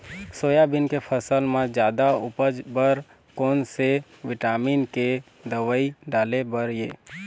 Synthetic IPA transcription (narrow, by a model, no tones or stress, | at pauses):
soːjabɪnkepʰəsəlmãd͡ʒjaːd̪aʊpəd͡ʒbəɾ | koːnse | ʋɪʈaːmiːnke | d̪əʋəiɖaːlebəɾjḛː